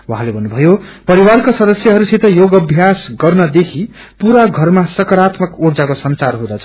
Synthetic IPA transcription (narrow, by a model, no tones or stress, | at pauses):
waɦãlebʱʌnːubʱʌjopʌɾiwarkasʌd̪ʌsjʌɦʌɾusit̪ʌjoɡʌbʱjasɡʌrnʌd̪ekʰi | puɾaɡʱʌrmasʌkʌɾat̪mʌkord͡zakosʌnt͡sarɦũd̪at͡sʰʌ̥